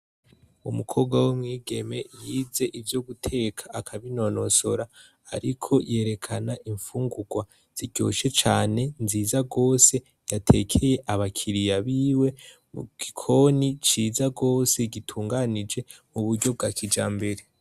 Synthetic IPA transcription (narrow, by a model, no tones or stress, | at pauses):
umukʰo̞ɡwawomŋiːɡe̞me̞jiːze̞ʔivjoɡutʰe̞kʰḁakʰaβino̞no̞so̞ɾa̰ː | ɾikʰo̞je̞ːɾe̞kʰanaʔiɱfuːŋɡuɡ̥wa | z̥iɟo̞̰ʃe̞t͡ʃaːne̞nziːzaɡo̞ːse̞ | jatʰe̞̰kʰe̞je̞ʔaβakʰiɾijaβiːwe̞ | uɡ̥ikʰo̞nit͡ʃiːzaɡo̞ːse̞ɡitʰuːŋɡanid͡ʒe̞muβuɾɟo̞b̚ɡaːkʰid͡ʒaːmbe̞ɾe